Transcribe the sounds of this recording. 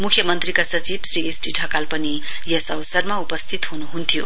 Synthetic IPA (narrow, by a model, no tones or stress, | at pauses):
mukʰjʌmʌnt̪rikasʌt͡sibsriesʈiɖʱʌkalpʌni | jʌsʌwsʌrmaupʌst̪ʰit̪ɦunuɦunt̪ʰijo̰